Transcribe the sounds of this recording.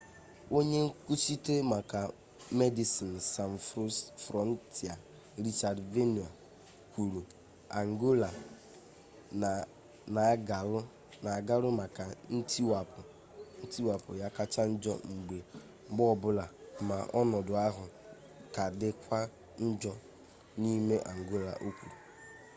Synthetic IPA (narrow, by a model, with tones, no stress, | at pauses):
o˦ɲe˦ŋ̩˦ku˦t͡ʃi˦te˦ma˨ka˨ | me˦di˨si˨n˨sa˨n˨fɾo˦sfɾɔ˦n˦tʰi˨a˨ | ɾi˦t͡ʃa˨dve˦ni˨a˨ | kʷu˨ɾu˨ | a˨ŋ˨ɡo˦la˨ | na˨˦ɡa˨lʊ˦ | na˨a˨ɡa˦lʊ˦ma˨ka˨n̩˦tʰi˦wa˨pʊ˨ | n̩˦tʰi˦wa˨pʊ˨ja˦ka˦t͡ʃa˦n̩˦d͡ʒɔ̰˦ŋ͡m̩˨ɡ͡be˨ | ŋ͡m̩˦ɡ͡bɔ˦˨bʊ˦la˨ma˨ʔɔ˦nɔ˨dʊ˨a˦ɦʊ˨ | ka˨dɪ˦kʷa˦ | n̩˦d͡ʒɔ˦ | ni˦me˦ʔa˨ŋ̩˨ɡo˦la̰˨ʔo˦kʷu˨ɾu˨